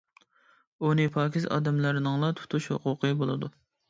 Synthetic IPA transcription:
unɨpʰɑːkʲizɑ̰ːd̪ɛmlɨɾnɨŋlˠɑt̪ʰu̥t̪ʰuʃho̰qʰʊqʰəbolˠɨd̪u

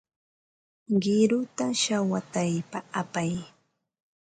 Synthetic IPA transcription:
ɢɪɾʊt̪aʃawat̪ajpaapaj

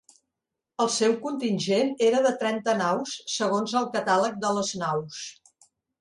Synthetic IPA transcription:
əlˠsɛwkunt̪inʲʒeneɾəðət̪ɾɛnt̪ənawsːəɣ̞onzəlˠkət̪alək̚d̪ələznaws

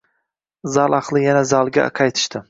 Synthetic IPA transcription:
zɑlˠɑqlˠɪjanazɑlˠɡʲa̰qʰɑjt̪ʰɪ̥ʃt̪ʰɪ

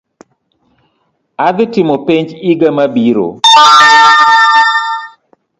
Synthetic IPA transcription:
ad̪ɪtɪmopeɲd͡ʒiɡamabiɾo̰

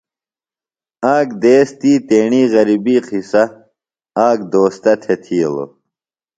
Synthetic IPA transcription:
aːkd̪eːst̪iːt̪eːɳiːɣɐɾibiːqʰisɐ | aːk̚d̪oːst̪ɐt̪ʰet̪ʰiːelo̰

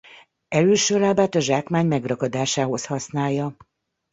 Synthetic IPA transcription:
ɛløːʃøːlaːbaːt̪ɒʒaːkmaːɲmɛɡrɒɡɒd̪aːʃaːɦo̞shɒsnaːjːɒ

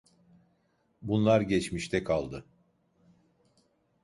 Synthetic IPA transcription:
bunlˠaɾɟɛt͡ʃmiʃt̪ʰɛkʰalˠd̪ɯ

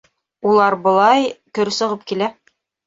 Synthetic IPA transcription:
ulˠɑɾbŏlˠɑjkɵ̆ɾsɤ̆ʁɤp̚kilæ

